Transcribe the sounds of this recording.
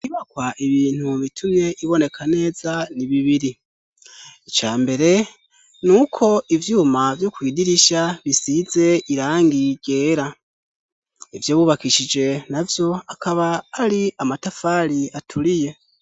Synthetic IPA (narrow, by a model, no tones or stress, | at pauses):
iβakwaʔiβiːn̥huβitʰumɲe̞ʔiβo̞ne̞kʰane̞ːzaniβiβiɾi | it͡ʃaːmbe̞ɾe̞ | nuːkʰo̞ivjuːmavjokwiːdiɾiʃaβisize̞iɾaːŋɡiɟ̥e̞ːɾa | ivjoːβuːβakiʃid͡ʒe̞navjo̞akʰaβaːɾiamatafaɾiatʰuɾije̞